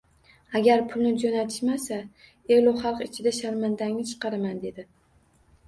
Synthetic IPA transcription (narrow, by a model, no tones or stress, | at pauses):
aɡʲaɾpʰʊlˠnɪd͡ʒonat̪ʰɪ̥ʃmasa | elˠɒχɑlˠqɪt͡ʃʰɪd̪aʃaɾmand̪aŋnɪt͡ʃʰɨ̥qɑɾamand̪e̞d̪ɪ